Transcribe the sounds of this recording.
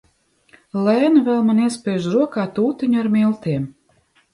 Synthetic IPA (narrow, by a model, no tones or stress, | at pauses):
lɛːnɨvɛlˠmaniɛspʲɛːjʒɾuɔkaːt̪uːt̪iɲuaɾmilˠt̪iɛm